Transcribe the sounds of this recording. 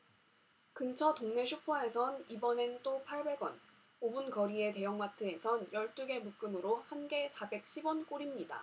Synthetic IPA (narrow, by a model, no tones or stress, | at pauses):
kɯnt͡ɕʰʌtoŋne̞ɕʰupʰwae̞sʰʌnibʌne̞nt͈opʰaɭbe̞ɡwʌn | obunkʌɾie̞t̬e̞jʌŋmatʰɯe̞sʰʌnjʌɭt͈uɡe̞muk͈ɯnɯɾohanɡe̞sʰabe̞k̚ɕʰibwʌnk͈oɾimɲida̰